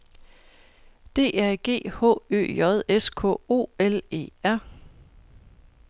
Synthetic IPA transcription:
d̥e̝̰ːæɐ̰ɡ̥e̝̰ːhɔ̰̽ːø̰ːjɒ̽ð̞ˠeskʰɔ̰̽ːo̝̰ːele̝̰ːæɐ̰

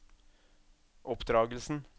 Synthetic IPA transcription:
ʔɔpd̪ɾɑːɡəl̩sn̩

